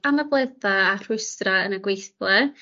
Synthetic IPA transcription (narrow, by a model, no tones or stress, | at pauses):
amablˠɛθaːr̥ʊjstraənaɡwejθlˠɛ